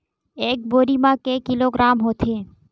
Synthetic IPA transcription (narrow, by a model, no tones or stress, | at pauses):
ek̚boɾimãkekiloɡɾamɦot̪ʰe